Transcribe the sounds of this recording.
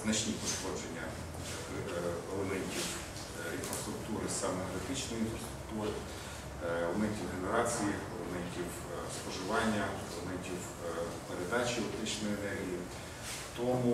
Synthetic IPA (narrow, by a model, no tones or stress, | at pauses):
znɐʃnʲipɔʃkɔd͡ʒenʲːɐ | ɔlɛmɛnʲtʲiw | infɾɐst̪ɾʊkt̪uɾɪsamɛɾɐt̪ɪt͡ʃnɔjinfɾɐst̪ɾʊk̚t̪uɾɪ | ɔmɛnʲtʲiwɦenɛɾat͡s̪ʲijiɔlɛmɛnʲtʲiw | spɔʒɪʋɑnʲːɐɔlˠɛmɛnʲtʲiw | peɾɛd̪at͡ʃiɔt̪ɪt͡ʃnɔjɔnɛɾʲi | t̪ɔmu